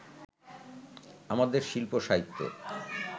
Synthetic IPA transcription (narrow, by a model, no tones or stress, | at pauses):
amad̪eɾʃilpoʃaɦit̪ʰːo̰